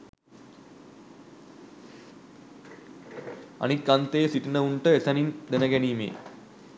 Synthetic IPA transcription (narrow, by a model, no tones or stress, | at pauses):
ɐ̰nikɡɐnt̪eːsiʈinəuɳʈəesɐnind̪enəɡæniːmḛː